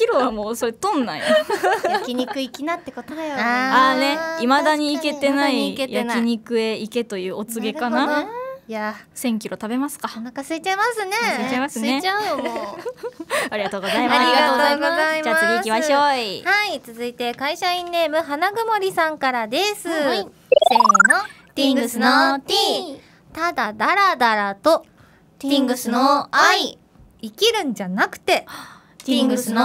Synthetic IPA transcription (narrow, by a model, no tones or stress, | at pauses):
kʲiɾo̞βamoːso̞ɾe̞t̪õ̞nːa̰j | kʲiɲikɯ̟ikkʲinat̪ːe̞ko̞t̪od̪ajoane̞imad̪aɲ̟iːke̞t̪e̞naiejankiɲ̟ikɯ̟e̞ike̞t̪o̞jɯ̟ːo̞t͡sɨɡe̞kanajasẽ̞ŋkʲiɾo̞t̪abe̞masɨ̥kaakasɨit͡ɕaimasɨnesɯit͡ɕaimasɨnea | aɾʲiɡat̪o̞ːɡo̞zaimaɾiɡaaot̪oːɡozaimaaisiaɕohait͡sɨzɨit̪e̞kaiɕaĩnːe̞ːmɯ̟ɦanaɡɯ̟mo̞ɾʲisãŋkaɾad̪e̞sɨ | seno̞ | t̪ĩŋɡɯɡɯsnot̪i | t̪ad̪ad̪aɾad̪aɾat̪o̞ | ĩŋɡɯsɨnoai | ikʲiɾɯ̟̃ɲ̟d͡ʑanakɯ̟̥t̪e̞ | t̪ĩŋɡɯsno